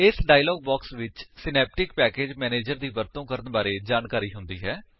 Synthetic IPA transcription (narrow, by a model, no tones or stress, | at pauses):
ɪsɖaːilɔːɡ̚bɔːksʋɪt͡ʃsɪnɛːp̚ʈɪkpɛːkeːd͡ʒmɛːneːd͡ʒəɾd̪iːʋəɾt̪õːkəɾənbaːɾeːd͡ʒaːnkaːɾiːɦʊnd̪iːɦɛː